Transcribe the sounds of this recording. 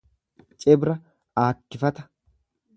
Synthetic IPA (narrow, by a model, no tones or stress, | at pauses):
t͡ʃʼɛbɾɐ | aːkːɪfɐt̪ɐ̥